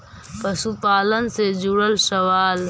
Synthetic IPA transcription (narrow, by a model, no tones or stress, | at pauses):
pɐsupaːlənsed͡ʒuɽəlsɐwaːl